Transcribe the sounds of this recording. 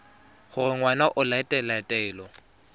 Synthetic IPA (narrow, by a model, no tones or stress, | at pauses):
χʊrɪŋwanaʔʊlaɪtʼɛlatʼɛːlɔ